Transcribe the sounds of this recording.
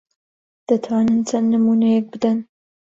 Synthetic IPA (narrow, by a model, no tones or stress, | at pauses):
d̪̥ɐt̪ʰwaːnɨnt͡ʃʰɐnːɨmuːnɛjɛk̚bɨd̪an